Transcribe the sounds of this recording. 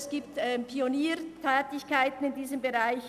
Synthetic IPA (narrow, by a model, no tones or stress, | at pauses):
sɡ̥iːptɛːmpʰioniːɾtʰɛːtɪçkaɪtn̩ɪndiːzəmbeʁaɪç